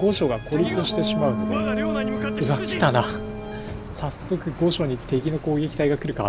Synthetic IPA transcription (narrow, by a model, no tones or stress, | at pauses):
ɡo̞ɕo̞ɡako̞ɾʲit͡sɨɕi̥t̪e̞ɕimaɯ̟nod̪e | ɯakʲi̥t̪ana | sasːo̞kɯ̟ɡo̞ɕo̞ɲ̟it̪e̞ɡʲino̞ko̞ːɡe̞kʲi̥t̪aiɡakɯ̟ɾɯ̟ka